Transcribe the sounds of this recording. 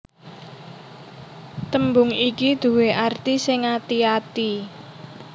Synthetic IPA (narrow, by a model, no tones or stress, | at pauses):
t̪əmbʊŋikid̪̥ṳweʔart̪isɪŋat̪iat̪i